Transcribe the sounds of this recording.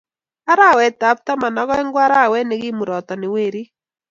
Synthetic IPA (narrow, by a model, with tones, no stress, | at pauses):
a˦ɾa˦˨wɛ˨ta˨˦p̚ta˦ma˨na˨˦ɣɔ˦ɛ˦ŋɡwa˦ɾa˦˨wɛ˦ne˨ɣɪ˦mu˨ɾɔ˨tɔ˨nɪ˨we˦˨ɾi˦